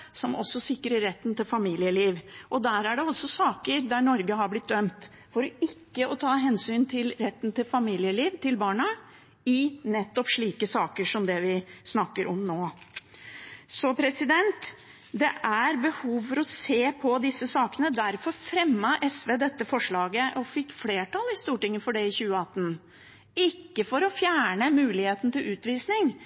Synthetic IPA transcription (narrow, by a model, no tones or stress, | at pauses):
sɔmʔɔsːɔsɪkːɾəːɛt̪ːnt̪ɪlfɑmiːlɪəliːʋʔɔd̪æɾæɖɛɔsːɔsɑːkəɾd̪æɳɔɾɡəhɑɾblɪt̪̚d̪œmt̪ | fɔɾɔɪkːəɔt̪ʰɑːɦɛnsyːnt̪ʰɪlɾɛt̪ːnt̪ɪlfɑmiːlɪəliːʋt̪ʰɪlbɑːɳɑ | ɪnɛt̪ːɔpʂɭiːkəsɑːkəʂɔmd̪ɛʋɪsnɑkːəɾʔɔmnoː | sɔpʰɾɛsɪd̪ɛnt̪ | d̪ɛʔæɾbəhuːʋfɔɾɔseːpʰɔd̪ɪsːəsɑːkənəd̪æɾfɔɾfɾɛmːəʔɛsʋeːd̪ɛt̪ːəfɔʂɭɑːɡəʔɔfɪkːfleːʈɑlɪst̪uːʈɪŋːəfɔɖɛɪçʉːəɑt̪ːn | ɪkːəfɔɾɔfjæːɳəmʉːlɪheːt̪n̩t̪ɪlʉːt̪ʋiːsnɪŋ